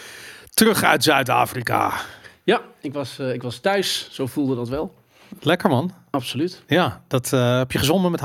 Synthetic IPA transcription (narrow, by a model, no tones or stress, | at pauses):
tərɵχœ̰ɥtsœɥta̰ːfrika̰jaɪkʋɑsɪkʋɑstœɥsːowfulˠdədɑtʋɛlˠ | lɛkəɹmɑn | ɑpsolytjaːd̥ɑtɦɛpjəχəzɔndəmɛt